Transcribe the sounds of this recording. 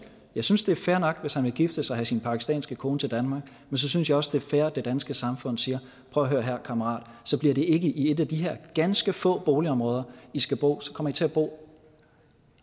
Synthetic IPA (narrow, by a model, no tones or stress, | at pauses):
jɑ̈ɪsynsd̥e̝ɐfæːɐnɒ̽ɡ̥ʋe̝shænʋe̝ɡ̥ifd̥əsɑ̈ɪɦæsinpʰɑ̈kʰisd̥ɛ̰ːnsɡ̥əkʰo̝ːnət͡sʰe̝ld̥ænmɑ̈ːɡ̥ | mensɒ̽synsjɑ̈ɪɒ̽sd̥e̝ɐfæɐd̥e̝d̥ænsɡ̥əsɑ̈mfɔ̽n̰siːɐ | pʰʁœʊɐɦøːɐɦæɐ̰kʰɑməʁɑ̰̈ːd̥sɒ̽b̥liɐɾ̥e̝ʔe̝ɡ̥əʔie̝d̥æd̥iɦæɐ̰ɡ̥ænsɡ̥əfɔ̰̽ːb̥o̝ːliɒ̽mʁɔ̽ːðˠɐisɡ̥æb̥o̝̰ːsɒ̽kʰɒ̽m̰ɐit͡sʰe̝æb̥o̝̰ː